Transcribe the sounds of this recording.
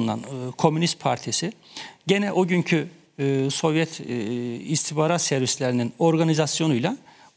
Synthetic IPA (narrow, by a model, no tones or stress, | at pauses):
nd̪a̰nkʰo̞mynist̪̚pʰaɾt̪ʰisiɟenɛʔoɟyɲcʰy | so̞vjɛt̪ʰ | ist̪ʰibaːɾat̪sɛɾvislʲeɾinino̞ɾɡanizasjo̞nujlˠa